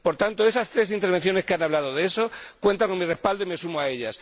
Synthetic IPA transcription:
po̞ɾt̪ant̪o̞e̞sast̪ɾe̞sint̪e̞ɾβ̞e̞n̟θjo̞ne̞skeanaβlað̞oð̞eso̞kwe̞nt̪aŋkonmire̞spald̪oimesumoae̞ʎas

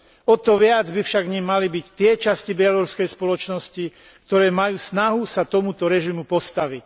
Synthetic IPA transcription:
ɔt̪ɔʋɪad͡zbifʃaɡɲɛmːalibict̪ɪɛt͡ʃascibɪaluɾskɛjspɔlɔt͡ʃnɔsci | k̚t̪ɔɾɛːmajuːsnaɦusat̪ɔmut̪ɔɾɛʒimupɔst̪aʋic

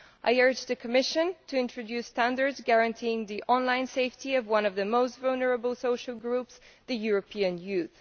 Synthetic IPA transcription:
ʔa̰ɪɜ˞d͡ʒðɨkʰəmɪʃɨ̃ntʰɨɪ̃ntɹ̥ɨdʉstæ̃ndə˞dzɡæɹɨ̃ntʰiɪ̃ŋðiʔɑ̃nlãɪ̃nseɪftiʌvwʌ̃nʌvðɨmoʊstvʌlˠnə˞əbl̩ˠsoʊʃəl̩ˠɡɹupsðɨjuɹɨpʰiɨ̃njʉθ

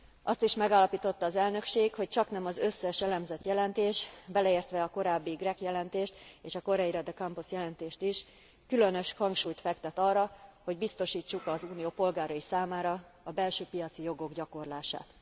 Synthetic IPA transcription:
ʔɒst̪iʃmɛɡaːlːɒpiːt̪o̞t̪ːɒːzɛlnø̞kʃeːkho̞c̚t͡ʃɒknɛmɒzøsːɛʃɛlɛmzɛt̪jɛlɛnt̪eːʃbɛlɛeːrt̪ʋɛɒko̞ɾaːbːiɡrɛkjɛlɛnt̪eːʃt̪eːʃɒko̞ɾɛjiɾɒd̪ɛkɒmpusjɛlɛnt̪eːʃt̪iʃ | kylø̞nø̞ʃhɒŋkʃuːjt̪fɛkt̪ɛt̪ɒːrːɒho̞ɟbist̪o̞ʃiːt͡ʃːukɒzuːnijoːpo̞lɡaːɾɒisaːmaːɾɒ | ɒbɛlʃøːpijɒt̪sijo̞ɡo̞ɡɟɒko̞rlaːʃa̰ːt̪

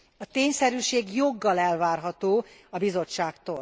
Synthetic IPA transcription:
ɒt̪eːɲsɛɾyːʃeːɡjo̞ɡːɒlɛlvaːrɦɒt̪oːɒbizo̞t͡ʃːaːkt̪o̰ːl

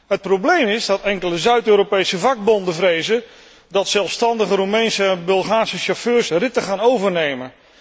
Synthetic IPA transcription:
ɦət̚prowblejmɪzdɑtɛŋkələzœɥtøːɾopejsəvɑɡ̚bɔndəvrejzə | dɑtsɛlˠfstɑndəχəɾumɛjnsəɛnbɛlˠχaːrsəʃaføːrsrɪtəχaːnowvəɹnejmə

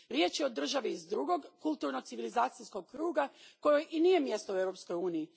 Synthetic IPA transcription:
ɾje̞ːt͡ʃjeod̪r̩ʒaʋiːzd̪ɾuɡo̞ɡkulˠt̪uɾnot̪siʋilizaːt̪sisko̞ɡ̚kɾuːɡako̞jeʔiniːje̞mje̞st̪ouewɾo̞psko̞juːniji

